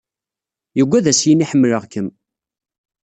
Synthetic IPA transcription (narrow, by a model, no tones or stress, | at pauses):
jəɡʷːæðæsjiniħəmːləʁkəm